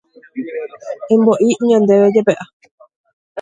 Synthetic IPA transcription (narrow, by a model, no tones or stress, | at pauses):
ẽmboʔiɲãnd̪eʋed͡ʒepeʔa